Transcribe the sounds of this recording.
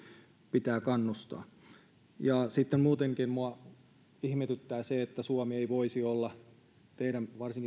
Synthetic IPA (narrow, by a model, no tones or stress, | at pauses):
pit̪æːkɑnːust̪ɑ̰ː | jɑsit̪ːemmuːt̪eŋkinmuɑ | ihmet̪yt̪ːæːseet̪ːæsuɑmieiʋoisiolːɑ | t̪eiɾænʋɑrsiŋki